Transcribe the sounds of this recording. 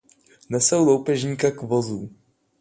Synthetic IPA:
nɛsowlo̞wpɛʒɲiːkakvozuː

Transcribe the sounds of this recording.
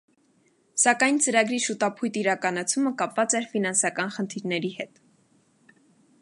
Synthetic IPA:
sɑkɑjnt͡səɾɑɡɾiʃut̪ɑpʰujt̪iɾɑkɑnɑt͡sʰuməkɑpvɑt͡sɛɾfinɑnsɑkɑnχənt̪ʰiɾnɛɾihɛt̪

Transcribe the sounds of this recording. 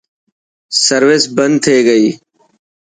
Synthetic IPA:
səɾʋɪsbənd̪̚t̪ʰeːɡəiː

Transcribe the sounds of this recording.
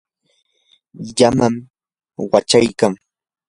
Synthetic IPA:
jamam | wat͡ʃajkaŋ

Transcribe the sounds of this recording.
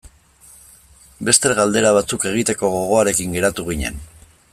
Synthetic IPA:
be̞st̪e̞ɣald̪e̞ɾaβ̞at͡suke̞ɣ̞it̪e̞ko̞ɣo̞ɣ̞o̞aɾe̞kiŋɡe̞ɾat̪uɣ̞iɲe̞̰n

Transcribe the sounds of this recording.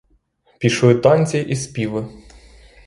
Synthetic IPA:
pʲiʃlɪt̪ɔnʲt͡sʲiʔispʲiʋɪ

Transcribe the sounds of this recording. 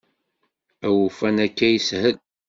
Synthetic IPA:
æwufænækːæjəshəl

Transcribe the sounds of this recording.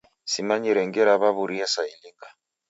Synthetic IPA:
simaɲiɾɛŋɡɛɾaβaβuɾiasailiŋɡa

